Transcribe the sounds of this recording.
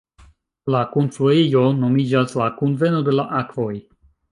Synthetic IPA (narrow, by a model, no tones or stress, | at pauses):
lakonsfuiono̞mid͡ʒaslakunve̞no̞de̞laʔakvo̞j